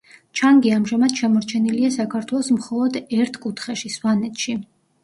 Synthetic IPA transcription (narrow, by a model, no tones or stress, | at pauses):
t͡ʃʰaŋɡiamʒamad̪̥ʃamɔɾt͡ʃʰɛniliasakʰaɾt̪ʰwɛlˠɔsmχɔlˠɔd̪ɛɾt̪ʰkʼut̪ʰχɛʃiswanɛt̪ʃi